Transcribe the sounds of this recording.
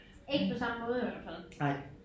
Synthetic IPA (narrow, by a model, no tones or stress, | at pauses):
e̝ɡ̥əpʰɒ̽sɑ̈məmɔ̽ːð̞ˠjʋæl̰fæl̰aɪ